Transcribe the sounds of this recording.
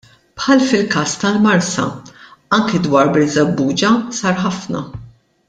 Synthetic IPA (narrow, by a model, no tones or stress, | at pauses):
pħɐlfɪlkɐːst̪ɐlmɐɾsɐ̰ɐŋkɛd̪wɐːɾbɾɪzɐbːuːd͡ʒɐsɐɾħɐfnɐ̰